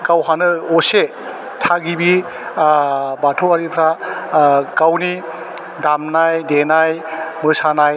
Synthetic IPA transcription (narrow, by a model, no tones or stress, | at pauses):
ɡawɦanɯose | tʰaɡibi | batʰoaɾipʰɾa | ɡawni | damnajdenajmɯsanaj